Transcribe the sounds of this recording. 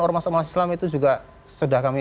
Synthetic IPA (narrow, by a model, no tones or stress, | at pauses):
ɔɾmasɔmaasi̥slamit̪ud͡ʒuɡa | sədahkami